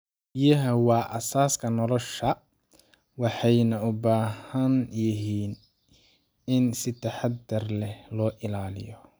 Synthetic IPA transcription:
bɪjɐɦɐwɑːʔɐsaːskʰɐnɔlɔʃɐ | wɑħɑjnɐʊbaːhɐnjɪɦiːn | ɪnsɪt̪ʰɐħɑd̪ɐrlɛhlɔːʔɪlaːlɪ̰jɔ

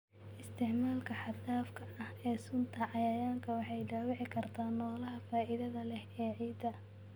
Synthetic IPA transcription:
ʔɪst̪ʰɪʕmaːlkʰɐħɑd̪aːfkʰɐʔɐhɛːsʊnt̪ʰɐʕɑjɐjaːŋkʰɐwɑħɑjɖaːwɪʕɪkʰɐrt̪ʰaːnːɔːlɐɦɐfaːʔɪðɐðɐlɛhɛːʕiːd̪ɐ

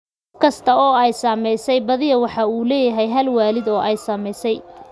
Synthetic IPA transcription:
kʊfkʰɐst̪ʰɐɔːɛjsɐmɛjsɛjbɐðɪjɐwɑħɑuːlɛːjɐɦɛjɦɐlwaːlɪd̪ɔːʔɛjsɐmɛjsɛj

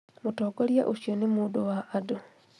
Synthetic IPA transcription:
mutoːɡolja̰ʔuʃjonemudowaʔːdo

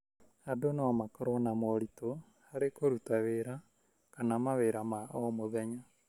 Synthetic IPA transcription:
adonawamakɔɾɔnamɔɾito | haɾekoɾutaβeɾa | kanamaβeɾamaɔmoðɛɲa

